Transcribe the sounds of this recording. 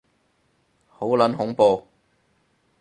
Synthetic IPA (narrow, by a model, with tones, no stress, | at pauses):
ho˨˥wlɐ˨˥nɦʊ˨˥ŋpoː˧